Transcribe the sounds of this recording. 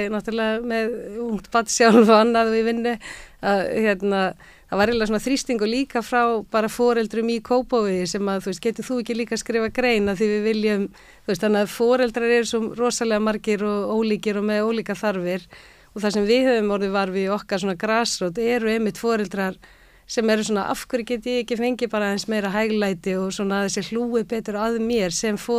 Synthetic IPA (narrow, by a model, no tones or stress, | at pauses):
naht̪ʏɾlɛɣamɛðuŋ̥t̪pat̪sjawlvanːaðvɪvɪnːʏaðçjɛt̪na | θavaɾɛlas̬ɔnaθɾist̪iŋkʏliːkafɾawpaːɾafɔːɾɛlt̪ɾʏmikʰoːwpovʏjɪsɛmaðθuɛst̪̚cɛːt̪ʏθuɛhcɪliːkaskɾɪːvakɾeːjnaðθivɪðvɪljʏm | θuɛst̪anːɪaðfɔːɾɛlt̪ɾaɾɛɾsɔmrɔːsalɛɣamaɾcɪɾɔɣoːwliːcɪɾɔmɛðoːwliːkaθaɾvɪɾ̥ | ɔθasɛmvɪðhɛvʏmɔwɾðɪvaɾvɪɔhkaɾ̥sɔːnakɾaːsɾoːwt̪ɛɾʏɛmːɪht̪fɔːɾɛlt̪ɾaɾ̥ | sɛmaɛɾʏs̬ɔːnaʔa̰fkʏɾcɛːt̪ɪɛhcɪfejɲcɪpaːɾaɛnsmeːjɾaɦajɣlajt̪ɪɔɣswɔnaðɛsjɛl̥uːɪpɛːt̪ʏɾaðmjɛɾ̥sɛmfɔ